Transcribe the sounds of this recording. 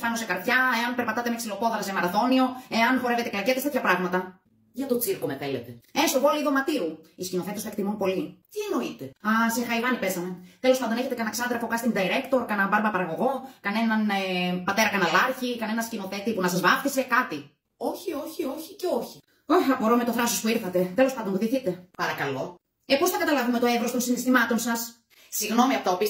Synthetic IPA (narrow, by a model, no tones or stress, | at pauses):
fɐnosekɐɾt̪çɐe̞ɐnpeɾpɐt̪ɐt̪emeksilo̞poðɐsemɐɾɐθo̞nio̞e̞ɐnfo̞ɾeve̞t̪e̞kɐɾcet̪est̪et̪çɐpɾɐɣmɐt̪ɐ | ʝɐt̪o̞t͡siɾkome̞θelet̪eest̪ovo̞liiðo̞mɐt̪iuiscino̞θe̞t̪esɐkt̪imunpo̞lit̪ieno̞it̪eɐsexɐivɐnipe̞sɐme̞t̪elospɐnd̪oeçe̞t̪ekɐnɐksɐnðɾɐfokɐst̪iŋd̪ɐiɾekt̪o̞ɾkɐnɐbɐɾmɐpɐɾɐɣo̞ɣo̞kɐne̞nɐnepɐt̪e̞ɾɐkɐnɐlɐɾçikɐne̞nɐscino̞θe̞t̪ipunɐsɐzvɐfθise̞kɐt̪i | o̞çio̞çio̞çice̞o̞çi̥ | oxɐpo̞ɾome̞t̪o̞θɾɐsospuiɾθɐt̪e̞t̪e̞lo̞spɐnd̪o̞nkðiθit̪e̞pɐɾɐkɐlo̞ | epo̞sθɐkɐt̪ɐlɐvume̞t̪o̞evɾo̞st̪o̞nsinist̪imɐt̪o̞nsɐs | siɣno̞miɐft̪aɐopi